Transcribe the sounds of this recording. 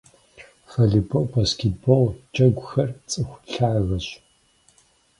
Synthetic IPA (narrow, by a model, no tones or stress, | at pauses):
fɐɮɨbʰoʔbaːskʲʰet̚bɔlt͡ʃʼɐɡʷxɐrt͡sʼɨxʷɬaːɣɐɕ